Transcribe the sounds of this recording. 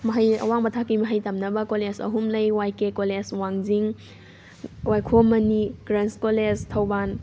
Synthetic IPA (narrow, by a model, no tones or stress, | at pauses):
mɐɦajɐ̰waŋmɐtʰakimɐɦajtɐmnɐbɐkolesɐ̰ɦumlɐjwajkekoleswaŋziŋ | wajkʰomɐniɡɾanskoled͡ʒtʰɐwban